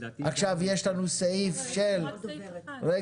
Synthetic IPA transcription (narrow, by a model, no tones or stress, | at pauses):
ʔaχʃavjeʃlanuseifʃel | ɾe